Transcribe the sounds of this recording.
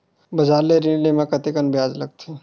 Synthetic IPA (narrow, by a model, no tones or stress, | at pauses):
bɐd͡ʒaːɾleɾinlemãkɐt̪ekənbɪjaːd͡ʒlɐɡ̚t̪ʰe